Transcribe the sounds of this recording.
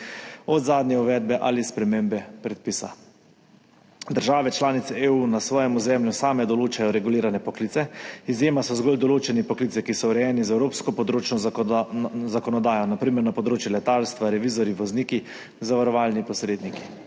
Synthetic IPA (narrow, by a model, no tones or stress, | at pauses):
ɔd̪zaːd̪njɛuʋɛːd̪̚bɛʔa̰lispɾɛmembɛpɾɛt̪̚piːsa̰ | d̪əɾʒaːʋɛt͡ʃlaːnit̪sɛeunasʋɔːjɛmuzɛːmljusaːmɛd̪ɔloːt͡ʃajɔɾɛɡuliːɾanɛpɔkliːt̪sɛizjeːmasɔzɡoːld̪ɔloːt͡ʃɛnipɔklit̪sɛkisɔwɾɛjɛːnizɛwɾoːpskɔpɔd̪ɾoːt͡ʃnɔ | zakɔnɔd̪aːjɔnapɾiːməɾnapɔd̪ɾoːt͡ʃjulɛt̪aːlst̪ʋaɾɛʋiːzɔɾjiʋɔzniːki | zaʋaɾɔʋaːlnipɔsɾeːd̪niki̥